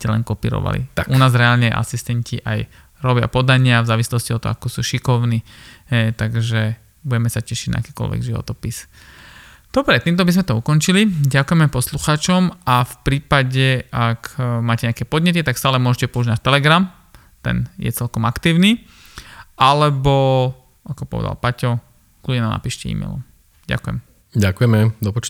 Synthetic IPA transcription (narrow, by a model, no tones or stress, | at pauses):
cɛlɛ̰nkɔpḭːɾɔ̰ʋa̰lḭaʔunaːzɾɛaːlɲɛa̰ʔa̰sist̪ɛɲciʔa̰j | ɾɔbɪa̰pɔd̪aɲɪavzaːʋislɔsciɔt̪ːɔ̰akɔsuːʃikɔʊniːɦɛjt̪aɡʒɛ | buɟɛmɛsacɛʃiɟna̰a̰kɛːkɔ̰lʋɛ̰ɡʒiʋɔ̰t̪ɔpis | d̪̥ɔbɾɛt̪iːmt̪̬ɔbizmɛt̪ɔukɔnt͡ʃiliɟakujɛmɛpɔsluxaːt͡ʃɔmafpɾiːpaɟɛʔakmaːcɛɲakɛpɔd̪ɲɛt̪̬it̪akst̪aːlɛmʊɔʒɛcɛpɔuʒnat̪ɛlɛɡɾam | t̪ɛ̰njɛ̰t͡sɛlkɔmakt̪iːʊni | alɛbɔ | akɔpɔ̰ʋɛ̰d̪a̰lpacɔ | kluɟɲɛnamna̰piːʃcɛḭːmɛ̰ɪlɔ̰m | ɟa̰kujɛ̰m | ɟakujɛmɛd̪ɔpɔt͡ʃ